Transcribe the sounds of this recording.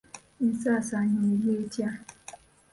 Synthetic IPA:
n̩sasaɲʊiletja

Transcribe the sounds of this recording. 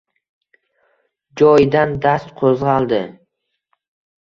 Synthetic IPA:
d͡ʒɒjɪd̪and̪ast̪qʰozʁɑlˠd̪ɪ

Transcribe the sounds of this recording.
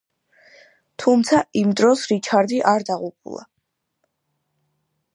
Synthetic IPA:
t̪ʰumt̪sʰaimd̪ɾɔsɾit͡ʃʰaɾd̪iʔaɾd̪aʁupʰṵlˠa̰

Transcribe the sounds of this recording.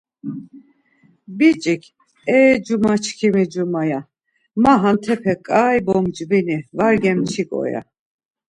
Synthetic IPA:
bit͡ʃʼikʰ | ɛd͡ʒumat͡ʃʰkʰimid͡ʒumaja | maɦant̪ʰɛpʰɛkʼajbɔmd͡ʒʼbinivaɾɡɛmt͡ʃʰikʼɔ̰ja̰

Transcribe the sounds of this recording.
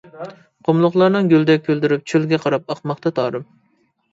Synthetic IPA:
qʰomlˠʊχlˠɑɾnɨŋɡʲøld̪ɛk̚ʲʰːøld̪yɾyp̚t͡ʃʰølɡʲɛqʰɑɾɑp̚ɑqmɑχt̪ɑt̪ʰɑːɾɨm

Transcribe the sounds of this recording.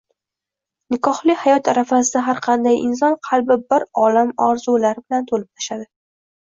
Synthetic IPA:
nɪkʰɒhlɪhajɒt̪ʰaɾafas̬ɪd̪aɦaɾqʰɑnd̪ajʔɪ̰ns̬ɒnqʰɑlˠbɪbɪɾɒlamɒɾzulaɾɪbɪlant̪ʰolɪp̚t̪ʰḁʃad̪ɪ

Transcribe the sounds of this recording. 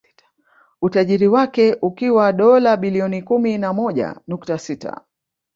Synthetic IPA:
utaʄiɾiwakɛʔukiwaɗɔlaɓiliɔnikuminamɔʄa̰nuktasita̰

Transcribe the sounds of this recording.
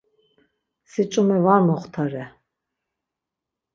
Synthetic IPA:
sit͡ʃʼumɛvamɔχt̪ʰaɾɛ

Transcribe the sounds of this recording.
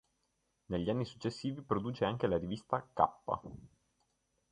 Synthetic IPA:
neʎːianːisu̥t͡ʃːesːiːvipɾod̪uːt͡ʃeaŋk̟elaɾivist̪aka̰pːa̰

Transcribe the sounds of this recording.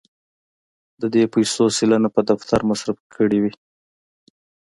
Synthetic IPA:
d̪əd̪epajsosilanapəd̪aft̪ʰaɾmasɾafkʰəɽiwi

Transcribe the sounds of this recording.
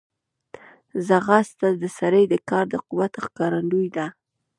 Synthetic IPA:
zaɣast̪ad̪əsaɾəjd̪əkɑɾd̪əquwat̪xkɑɾand̪ujd̪a

